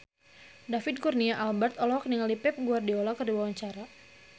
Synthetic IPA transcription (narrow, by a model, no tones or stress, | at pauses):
dafɪd̪̚kurniaʔalbɛrt̪ɔlɔhɔk̚niŋaldipɛp̚ɡuardiɔlakərdiwawaɲt͡ʃaɾa